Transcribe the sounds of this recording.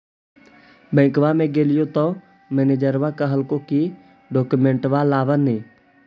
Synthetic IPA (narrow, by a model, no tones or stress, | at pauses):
bə̃ɪ̃kʋamẽɡeːlɪjot̪ɔ̃ | mened͡ʒəɾʋakaɦəlkõki | ɖɔːkumẽɳʈʋalaːʋənẽː